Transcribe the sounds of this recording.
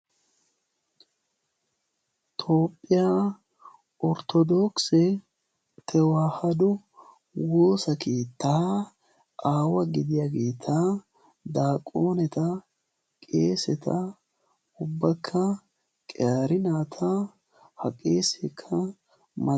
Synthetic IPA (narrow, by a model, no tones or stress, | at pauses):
t̪ʰo̞ːpʼːɪjaː | ɔɾt̪ʰɔd̪oksɛ | t̪ʰɛwaːhɐd̪ʊ | wo̞ːsɐke̞ːt̪ʰːaː | ʔaːwɐɡɪd̪ɪjaɡe̞ːt̪ʰa | d̪aːkʼːo̞ːnɛt̪ɐ | kʼeːsɛt̪ʰɐ | ʊbːɐkʰːɐ | kʼɛjaːɾɪnaːt̪ʰɐ | hɐkʼeːsɛkʰːɐ | mɐ